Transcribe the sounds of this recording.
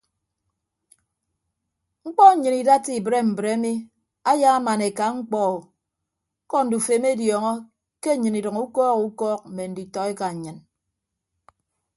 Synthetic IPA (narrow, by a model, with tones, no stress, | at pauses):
ŋ͡m̩˦k͡pɔ˦ɲ̩˨ɲɨ˨ni˨da˦ti˦˨bɾe˦m̩˨bɾe˨˦mi˦ | a˦ja˦a˦ma˨ne˨ka˨ŋ͡m̩˦k͡pɔ˦o˨˦ | kɔ˦n̩˨du˨fe˨˦me˦djɔː˨ŋɔ˦ | ke˦˨ɲɨ˨ni˨dɨ˨ŋu˦kɔː˦ku˨˦kɔː˦k̚m̩˨me˨n̩˨˦di˨tɔ˦e˦ka˨ɲ̩˨ɲɨ˨n